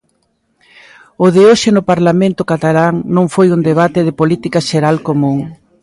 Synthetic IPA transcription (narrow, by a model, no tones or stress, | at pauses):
ʊðɪoʃɪnʊpaɾlamẽnt̪ʊkat̪alaŋnõŋfojund̪eβ̞at̪ɪðɪpolit̪ikaʃeɾalkomũŋ